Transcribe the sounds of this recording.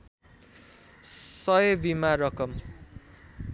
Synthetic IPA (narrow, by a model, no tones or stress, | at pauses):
sʌjebimaɾʌkʌm